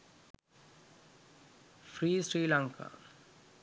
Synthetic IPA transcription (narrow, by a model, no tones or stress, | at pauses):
fɾiːsɾiːlãŋka̰